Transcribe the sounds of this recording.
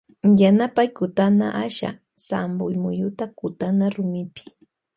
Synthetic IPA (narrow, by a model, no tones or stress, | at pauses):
janapajkʊt̪ana̰ʔaʃa̰ | sambʊjmʊjʊt̪akʊt̪anaɾʊmɪpɪ̥